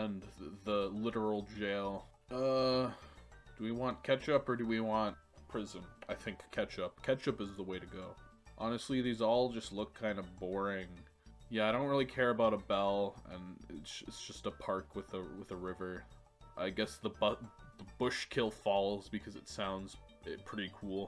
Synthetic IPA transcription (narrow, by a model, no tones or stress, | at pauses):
ɨ̃nðəlɪɾə˞l̩ˠd͡ʒeɪlˠ | ʌ | d̥əwiwɑ̃nkʰɛt͡ʃʌpə˞dɨwiwɑ̃nt̚ | pʰɹ̥ɪzɨ̃naɪθɪ̃ŋkʰːɛt͡ʃʌp̚kʰɛt͡ʃʌpɨzðəweɪɾɨɡoʊ | ʔɑnɨstˡliðizɔlˠd͡ʒʌstˡlʊkʰãɪ̃ndʌvbɔɹɪ̃ŋ | jæaɪɾõʊ̃nt̚ɹɪlˠikʰɛɹɨbaʊɾəbɛlˠɨ̰̃nɪ̰tsɪ̰tsd̥ʒ̥ʌstəpʰɑɹkʰwɨðəwɨðɨɹɪvə˞ | ʔaɪɡɛsðəbʌðəbʊʃkʰɪlˠfɑlˠoʊzbɨkʰʌzɨtsãʊ̃ndz̥ | ɪpʰɹ̥ɪɾikʰulˠ